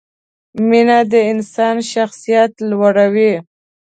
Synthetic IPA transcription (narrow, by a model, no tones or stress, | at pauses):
minad̪əɪnsɑnʃaxsijat̪lwaɽawi